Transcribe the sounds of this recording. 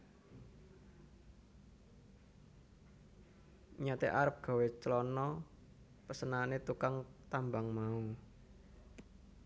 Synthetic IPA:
ɲat̪eʔaɾəp̚ɡ̥a̤wet͡ʃəlɔnɔ | pəsənanet̪ukaŋt̪ambaŋmau

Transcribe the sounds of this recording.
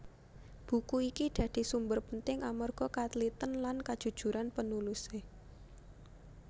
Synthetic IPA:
b̥ṳkuikid̪̥ä̤d̪̥i̤sumbərpənt̪ɪŋamɔrɡ̥ɔ̤kat̪lit̪ənlankad̥ʒ̥ṳd̥ʒ̥ṳɾʔanpənuluse

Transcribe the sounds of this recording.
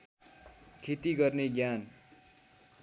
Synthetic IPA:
kʰet̪iɡʌrneɡjan

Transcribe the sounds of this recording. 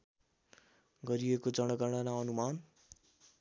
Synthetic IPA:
ɡʌɾijekod͡zʌɽ̃ʌɡʌɽ̃anaʌnuman

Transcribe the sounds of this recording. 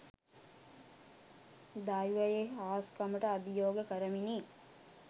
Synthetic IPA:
d̪aːjuʋɐjeaːskɐmɐʈɐɐbijoːɡɐkɐɾɐminiː

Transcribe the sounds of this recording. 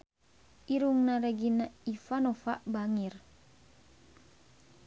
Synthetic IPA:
ʔiɾuŋnaɾɛɡinaifanofaʔbaŋir

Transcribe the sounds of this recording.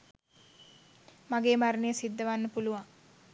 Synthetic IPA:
maɡeːmaɾənejəsid̪ːəʋanːəpuluʋaŋ

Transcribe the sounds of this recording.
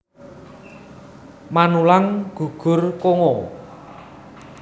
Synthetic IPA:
manulaŋɡ̥ṳɡ̥ʊ̤rkoŋo

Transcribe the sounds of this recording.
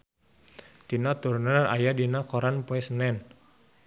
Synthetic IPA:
t̪inat̪urnəra̰jadinakɔɾanpoɛsnɛn

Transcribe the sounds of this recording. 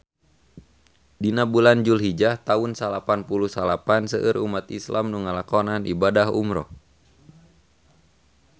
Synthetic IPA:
dinabuland͡ʒulɦid͡ʒaht̪aunsalapanpulusalapansəʔɨrumat̪islamnuŋalakɔnanʔibadaɦṵmɾɔ̰

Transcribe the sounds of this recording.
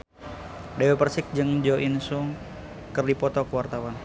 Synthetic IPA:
dɛwɛpərsɪk̚d͡ʒɨŋd͡ʒɔʔinsuŋ | kɨrdipɔt̪ɔkəwart̪awan

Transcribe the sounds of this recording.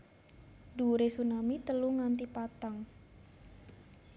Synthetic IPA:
duɾesunamit̪əluŋant̪ipat̪aŋ

